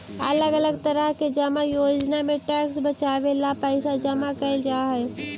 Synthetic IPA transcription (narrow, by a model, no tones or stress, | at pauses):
ɐ̰ləɡɐləɡt̪ɐɾəɦked͡ʒɐmajoːd͡ʒnamẽʈɛːksbɐt͡ʃaːʋelapəɪsad͡ʒɐmakɐɪld͡ʒaːɦɛː